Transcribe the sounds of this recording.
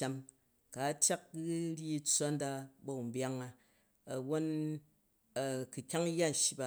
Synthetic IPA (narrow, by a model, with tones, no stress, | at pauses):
a˦m | ka˨˦tʲja˦k̚ɡɨ˦ɾʲi˦i˦t͡sʷa˦n˦da˦bo˨u˨m̩˨bja˦ŋa˦ | ɐ˨wo˦n˨ | ku˨kʲa˦ŋ˦jːa˦n˨ʃi˦ba˨